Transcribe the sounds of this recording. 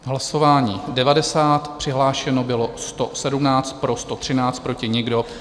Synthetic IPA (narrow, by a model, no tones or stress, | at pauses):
ɦlaso̞vaːɲiːdɛvadɛsaːt̪pr̥ɪɦlaːʃɛnobɪlo̞st̪o̞sɛdumnaːt͡st̪̚pɾo̞st̪o̞t̪r̝̥ɪnaːt͡st̪pɾo̞cɪɲɪɡdo̞